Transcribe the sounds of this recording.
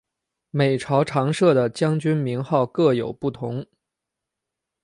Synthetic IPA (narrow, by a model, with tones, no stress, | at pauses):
me˨˩ɪʈ͡ʂʰɑ˧˥ʊʈ͡ʂʰɑ˧˥ŋʂɤ˥˩d̪ə˩t͡ɕjɑ˥ŋt͡ɕy˥nmi˧˥ŋxɑ˥˧ʊkɤ˥˩jo˨˩ʊpu˥˩t̪ʰʊ˧˥ŋ